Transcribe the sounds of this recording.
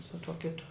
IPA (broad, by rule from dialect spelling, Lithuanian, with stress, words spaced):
sʊ tuɔ ˈkʲɪtʊ